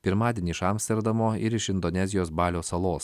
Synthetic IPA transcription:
pʲɪɾmɑːd̪ʲeɛnʲiːʃɑmsʲt̪ʲɛɾd̪ɐmoːɪɾɪʃɪnd̪ɔnʲɛzʲɪjoːsbɑːlʲoːsɐlˠoːs

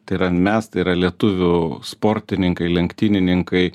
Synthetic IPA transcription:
t̪ɐɪɾɐmʲɛst̪ɐɪɾɐlʲiɛt̪ʊʋʲʊspoːɾʲt̪ʲɪnʲɪŋkɐɪlʲɛŋkt̪ʲinʲɪnʲɪŋkɐɪ

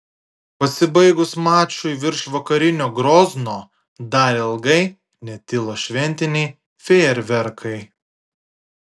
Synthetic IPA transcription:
pɐsʲɪbɐɪɡʊsmɑːt͡ʃʲʊjʋʲɪɾʃʋɐkɐɾʲɪnʲoːɡɾɔznoː | d̪ɑːɾʲɪlˠɡɐɪ | nʲɛt̪ʲɪlˠoːʃʲʋʲɛnʲt̪ʲɪnʲɛɪ | fʲeːɾʲʋʲɛɾkʰɐɪ

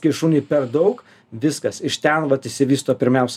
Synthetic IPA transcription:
kʲɪʃuːnʲiːpʲɛrd̪ɐʊk | ʋʲɪskɐsɪʃt̪ʲɛnʋɐt̪ɪsʲɪʋʲiːst̪oːpʲɪɾʲmʲɛʊsʲ

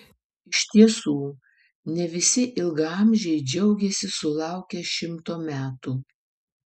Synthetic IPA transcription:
ɪʃʲt̪ʲiɛsuː | nʲɛʋʲɪsʲɪʔɪlˠɡɑˑmʲʒʲɛɪd͡ʒʲɛʊɡʲɛsʲɪsʊlˠɑˑʊkʲɛʃʲɪmt̪oːmʲæːt̪uː

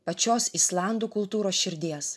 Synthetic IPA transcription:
pɐt͡ʃʲoːsɪslˠɑˑnd̪uːkʊlˠt̪uːɾoːsʃʲɪɾʲd̪ʲiɛs

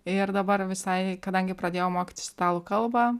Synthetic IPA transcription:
ɪɾd̪ɐbɐɾʋʲɪsɐɪkɐd̪ɐŋʲɡʲɪpɾɐd̪ʲeːjoːmoːkʲɪ̥t̪ʲɪst̪ʲt̪ɑːlˠuːkɐlˠbɐ

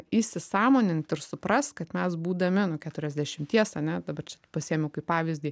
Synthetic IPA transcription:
isʲɪsɑːmoːnʲɪnt̪ʲɪɾsʊpɾɐst̪kɐt̪mʲɛsbuːd̪ɐmʲɪnʊkʲæːt̪ʊɾʲɛzʲd̪ʲæʃʲɪmt̪ʲiɛsɐnʲɛd̪ɐbɐrt͡ʃʲɛpɐsʲiɛmʲɛʊkɐɪpɑːʋʲɪzʲd̪ʲiː

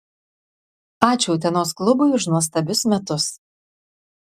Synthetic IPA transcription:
ɑːt͡ʃʲuːt̪ʲɛnoːsklˠʊbʊʊʃnuɔs̬t̪ɐbʲʊsmʲɛt̪ʊs

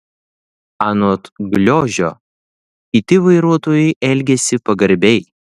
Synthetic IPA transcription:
ɑnoːt̪ɡlʲoːʒʲoː | kʲɪt̪ʲɪʋɐɪɾuɔt̪oːjʊɪʔɛlʲɡʲɛsʲɪpɐɡɐɾʲbʲɛɪ

